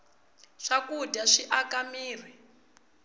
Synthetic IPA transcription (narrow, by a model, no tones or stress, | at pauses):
ʂakudaʂiʔakamiːri